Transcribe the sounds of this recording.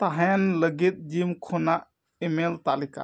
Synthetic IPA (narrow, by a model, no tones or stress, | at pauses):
t̪aɦɛnləɡit̪̚d͡ʒimkʰɔnaʔ | emelt̪alika̰